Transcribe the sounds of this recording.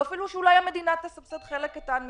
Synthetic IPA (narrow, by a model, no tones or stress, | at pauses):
afiluʃulajamed̪inat̪ːesabsedχelekːatanm